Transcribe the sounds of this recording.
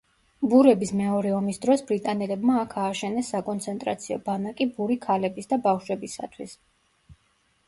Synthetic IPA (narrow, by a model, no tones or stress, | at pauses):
buɾɛbismɛɔɾɛɔmisd̪ɾɔsbɾit̪ʼanɛlɛbmaːkʰaːʃɛnɛsːakʼɔnt̪sʰɛnt̪ʼɾa̰t̪sʰiɔ̰banakʼibuɾikʰalɛbisd̪abafʃwɛbisa̰t̪ʰwis